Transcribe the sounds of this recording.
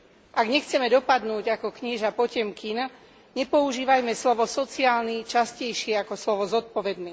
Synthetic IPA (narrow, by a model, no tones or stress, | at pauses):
ʔaɡɲɛxt͡sɛmɛd̪ɔpad̪nuːɟakɔkɲiʒapɔcɛmkin | ɲɛpɔuʒiːʋajmɛslɔʋɔsɔt͡siaːlnit͡ʃascɛjʃɪɛakɔslɔʋɔzɔt̪̚pɔʋɛd̪niː